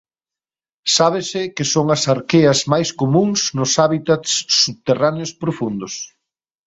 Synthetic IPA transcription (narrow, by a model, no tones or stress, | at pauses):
saβ̞ɪsɪkɪsoŋɐsaɾkeɐzmajskomũŋsnʊsaβit̪at̪sːuβt̪eraneospɾofund̪ʊs